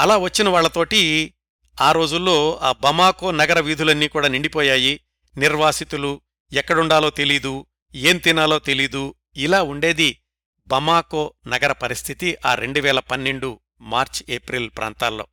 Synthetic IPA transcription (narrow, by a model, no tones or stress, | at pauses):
ɐlaːʋɐt͡ʃːinɐʋaːɭːɐt̪o̞ːʈi | aːɾo̞ːd͡ʒulːo̞ːaːbɐmaːko̞ːnɐɡɐɾɐʋiːd̪ʱulɐnːiːkuːɽaːniɳɖipɔːjaːji | niɾʋaːsit̪ulu | ɛkːɐɽuɳɖaːlo̞ːt̪elid̪u | eːnt̪inaːlo̞ːt̪e̞lid̪u | ilaːuɳɖe̞ːd̪i | bɐmaːkoːnɐɡɐɾɐpɐɾist̪ʰit̪iʔaːɾe̞̰ɳɖuʋɛːlɐpɐnːe̞ɳɖu | maːɾt͡ʃeːpɾiːlpɾʔa̰ːnt̪aːlːo̞̰ː